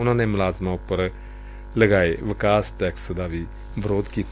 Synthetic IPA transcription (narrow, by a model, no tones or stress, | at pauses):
unanemɐlazmaupəɾ | lɐɡajʋikasʈɛksd̪abi | bʱəɾod̪ki